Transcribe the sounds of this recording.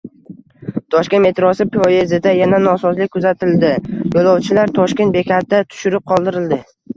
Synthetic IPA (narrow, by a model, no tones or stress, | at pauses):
t̪ʰɒʃkʲe̞nme̞t̪ʰɾɒsɪpojezɪd̪ajananɒsɒzlɪkʲkʰːʊzat̪ʰɪld̪ɪjolˠɒwt͡ʃʰɪlaɾt̪ʰɒʃkʲe̞nt̪̚be̞kʲʰat̪̚d̪at̪ʰʊ̥ʃʊɾɪp̚qʰɒlˠd̪ɪɾɪld̪ɪ